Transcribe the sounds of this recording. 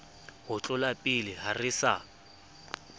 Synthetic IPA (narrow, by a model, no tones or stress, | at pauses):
hʊt͡ɬʼʊlapʼɪlɪɦarɪsa̰